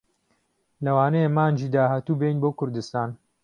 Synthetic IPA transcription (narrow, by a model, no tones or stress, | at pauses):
lɐwaːnɛjemaːnd͡ʒiːd̪aːhaːt̪uːbejnboːkʰʊɾd̪ɨst̪aːn